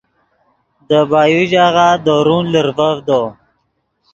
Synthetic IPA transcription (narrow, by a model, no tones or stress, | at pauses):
d̪əbaːjuʒaɣad̪oɾunləɾvəvd̪o